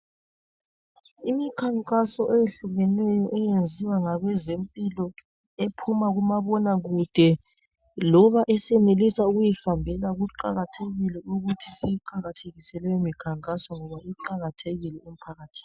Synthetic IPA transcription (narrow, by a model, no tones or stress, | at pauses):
imikʰaŋkʼasɔʔejeɬuɣɛnɛjɔʔɛjend͡zʱiwaŋaɣɛzempʼilɔ | epʰumaɣumaβɔnaɣud̥ʱɛ | lɔβaʔɛsɛnelisauɣujixambʱɛlaɣuǃa̰ɣatʰeɣilɛuɣutʰisiiǃaɣatʰeɣisɛlwɛimikʰaŋkʼasɔŋɔβaiǃaɣatʰeɣilɛem̩pʰaɣatʰi̥ːni